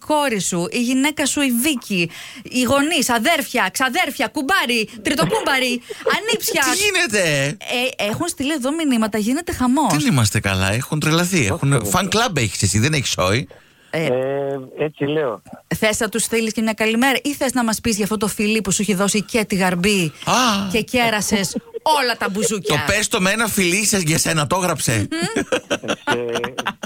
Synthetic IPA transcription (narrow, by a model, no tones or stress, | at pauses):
ko̞ɾisuʔiʝine̞kɐsuiviciː | ɣo̞nisɐðe̞ɾfçɐksɐðe̞ɾfçɐkubɐɾit̪ɾit̪opumbɐɾiɐnipsçɐt̪iʝinet̪eeexunst̪ilie̞ðo̞minimɐt̪ɐʝine̞t̪e̞xɐmo̞ðsenimɐst̪ekɐ̰lɐ̰exunt̪ɾelɐθiḛxunfɐŋklɐbeçi̥sesiðeneçi̥so̰i | et͡sileoθe̞sɐt̪usθiliscemɲɐkɐlime̞ɾɐʔiθeznɐmɐspizʝɐft̪o̞t̪̬ofiliposuiçiðo̞sicet̪iɣɐɾbiɐce̞ce̞ɾɐse̞so̞lɐt̪ɐbuzuc̪opest̪omeenɐfilisɐzʝɐse̞nɐt̪o̞ɣɾɐpse